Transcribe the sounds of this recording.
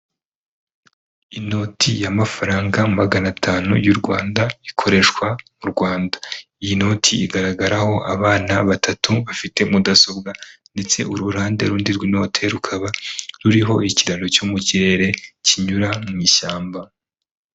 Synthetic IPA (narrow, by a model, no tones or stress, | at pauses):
ino̞tʰijamafaɾaːŋɡamaɡanatʰaːnṵjuɾɡwaːndaikʰo̞ɾe̞ʃkwamuɾɡwaːndḁijino̞ːtʰiiɡaɾaɡaɾaho̞ʔaβaːnaβatʰatʰuβafite̞mudaso̞bɡande̞t͡se̞ʔuɾuɾaːnde̞ɾuːndiɾɡwino̞ːtʰe̞ɾukʰaβaɾuɾiɦo̞iciɾanocumuciɾe̞ɾe̞ciɲuɾamŋiːʃaːmba